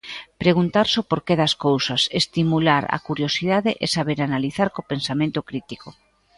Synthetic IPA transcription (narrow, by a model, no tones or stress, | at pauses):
pɾeɣunt̪aɾsopoɾkeðaskowsasest̪imulaɾa̰kuɾjosið̞aðeʔesaβeɾanaliθaɾkopensamẽnt̪okɾit̪iko